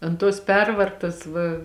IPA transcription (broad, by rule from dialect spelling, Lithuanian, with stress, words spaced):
ɐnt toːs ˈpʲɛrʋɐrtɐs ʋɐ